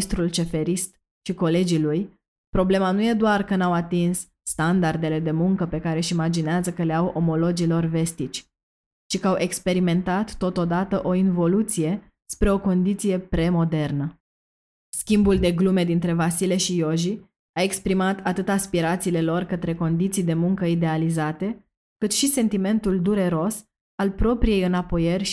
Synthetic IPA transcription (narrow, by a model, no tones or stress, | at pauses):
st̪ɾult͡ʃe̞fe̞ɾist̪ | ʃiko̞le̞d͡ʒiluj | pɾo̞ble̞manuje̞d̪oarkənawat̪insː | t̪and̪ard̪e̞le̞d̪e̞muŋkəpe̞kaɾe̞ʃimad͡ʒineazəkəle̞awʔo̞mo̞lo̞d͡ʒilo̞rve̞st̪it͡ʃʲ | ʃikəawʔe̞kspe̞ɾime̞nt̪at̪ːo̞t̪o̞d̪at̪əʔo̞invo̞lut̪sije̞ | spɾe̞o̞ko̞nd̪it̪sije̞pɾe̞mo̞d̪e̞rnə | skʲimbuld̪e̞ɡlume̞d̪int̪ɾe̞vasile̞ʃijo̞ʒi | ae̞kspɾimat̪at̪ɨt̪aspiɾat̪siːle̞lo̞rkət̪ɾe̞ko̞nd̪it̪sijd̪e̞muŋkəid̪e̞alizat̪e̞ | kɨt̪ʃise̞nt̪ime̞nt̪uld̪uɾe̞ɾo̞s | alpɾo̞pɾije̞jɨnapo̞jerʲ